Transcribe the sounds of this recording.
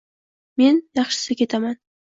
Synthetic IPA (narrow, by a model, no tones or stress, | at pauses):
me̞njɑχʃɪ̥sɪkʲe̞t̪ʰaman